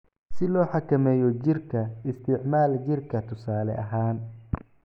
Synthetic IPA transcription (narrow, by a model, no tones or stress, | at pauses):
sɪlɔːħɑkʰɐmɛːjɔt͡ʃɪrkʰɐɪst̪ʰɪʕmaːlt͡ʃɪrkʰɐt̪ʰʊsaːlɛ̰ʔɐɦaːn